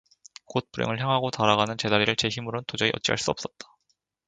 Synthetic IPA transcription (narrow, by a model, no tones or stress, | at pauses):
kot̚p͈uɾḛŋɯɭçjaŋɦaɡotaɾaɣanɯnt͡ɕe̞daɾiɾɯɭt͡ɕe̞çimɯɾontod͡ʑʌiʔʌt͡ɕ͈iɡa̰ɭs͈uʌp̚s͈ʌt̚t͈ḁ